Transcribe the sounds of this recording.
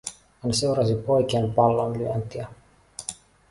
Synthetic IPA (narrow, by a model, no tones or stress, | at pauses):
hænse̞wɾɑsipo̞jkeːnpɑlːonlyænt̪iæ